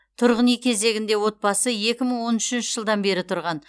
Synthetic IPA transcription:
t̪ʰʊɾʁənijkʲʰe̞ze̞ɡʲɪnd̪e̞wo̞t̪̚bɑsəje̞kʲɪməɴwo̞nʏʃɪnʃɪʒəlˠd̪ɑnbe̞ɾɪt̪ʰʊɾʁɑn

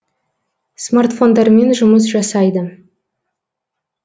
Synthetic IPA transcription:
smart̪fo̞nd̪ɑɾme̞nʒʊməs̬ʒɑsɑjd̪ə

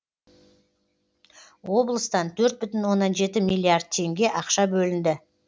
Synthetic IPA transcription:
wo̞blˠəst̪ɑnt̪ʰɵɾt̪̚bʏt̪ɪnwo̞nːɑnʒe̞t̪ɪmʲijlʲˠːiard̪̚t̪ʰːe̞ŋɡʲe̞ʔɑqʃɑbɵlɪnd̪ɪ

